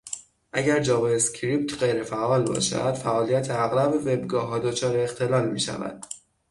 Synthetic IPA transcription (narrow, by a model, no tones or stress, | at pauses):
ʔæɟæɾd͡ʒɒːvescʰɾip̚t̪ʰɢejɾe̞fæʔɒːlbɒ̰ːʃæ̰d̪̥fæʔɒːlijæt̪ʰeæɣɾæbeve̞bɡɒːɦɒːd̪o̞t͡ʃʰɒːɾeːxt̪ʰe̞lɒːlmiːʃæ̰væ̰d̪̥